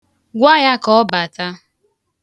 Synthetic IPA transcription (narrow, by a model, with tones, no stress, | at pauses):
ɡʷa˦ja˦kɔ˦ba˨ta˦